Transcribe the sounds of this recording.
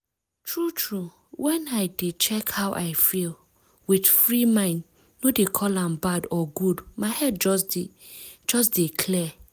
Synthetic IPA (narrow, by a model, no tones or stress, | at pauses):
tʰɹutʰɹu | wɛ̃naɪdet͡ʃɛkhawʔa̰ɪfil | wid̥fɹimãɪ̃nd | nodekʰɔlãmbadɔɡudmaɪhɛd̚d͡ʒɔsdi | d͡ʒɔs̬dekʰlɛ